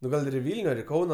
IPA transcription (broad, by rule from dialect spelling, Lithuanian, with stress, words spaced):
nʊ ˈɡɐlˠ ɪr ɪ ˈʋʲɪlʲnʲʊ ɐr ɪ ˈkɐʊnoː